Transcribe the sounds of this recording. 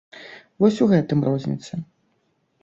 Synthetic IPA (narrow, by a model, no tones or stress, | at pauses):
vɔsʲuɣɛt̪ɨmrɔzʲnʲḭt̪sɐ